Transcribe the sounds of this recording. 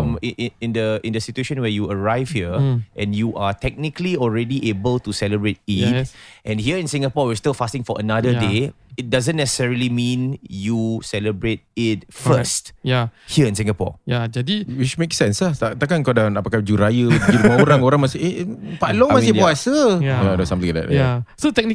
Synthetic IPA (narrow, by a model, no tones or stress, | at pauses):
mʔɪ̃ndəɪ̃ndəsitueʃə̃nwɛjuəɹaɪv̥hiəʔɛ̃njuʔatɛk̚nikliɔlɹɛdiʔebəltusɛləbɹet̚itʔɛ̃nhiəɪ̃nsĩŋapɔwistilfastɪ̃ŋfɔʔənadəde | ɪt̚dazə̃nːɛsə̥sɛɹilimĩnjusɛləbɹet̚ɪt̚fəstjahiəɪ̃nsĩŋapɔ̰jad͡ʒadiwit͡ʃmeksɛ̃nsat̪at̪akãkadãnapakad͡ʒuɾajəiɡimɔoɾãŋoɾãŋmaseepalɔ̃maeɔasəaadosãmt̪ĩŋdɛ̰ʔasotɛk̚n